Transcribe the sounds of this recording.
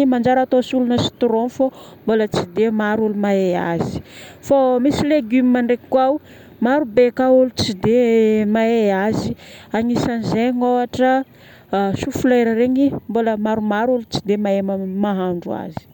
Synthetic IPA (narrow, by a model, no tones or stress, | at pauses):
imand͡ʒaɾat̪osulunəsi̥t̪ɾonfombolət͡sid̪emaɾulumaea̰zi̥fomisileɡymimaɳɖ͡ʐekkwaw | maɾubekaulut͡sid̪emaeaziaŋisanzeɲoaʈ͡ʂə | sufulejɾəɾeɲimboləmaɾumaɾulut͡si̥d̪emaeməmaɦaɳɖ͡ʐua̰zi̥